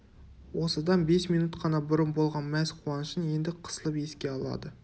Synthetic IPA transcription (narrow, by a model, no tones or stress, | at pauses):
wo̞səd̪ɑnbe̞smijnut̪qʰɑnɑbʊɾənbo̞lˠʁɑnmæzqʰuwɑnəʃənje̞nd̪ɪqʰə̥səlˠəpe̞skʲe̞ɑlˠɑ̰d̪ə